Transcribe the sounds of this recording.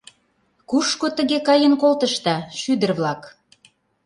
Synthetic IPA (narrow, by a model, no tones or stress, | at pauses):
kuʃkot̪ə̆ɣekɑjənkolt̪əʃt̪ɑʃyd̪ə̆rβlɑk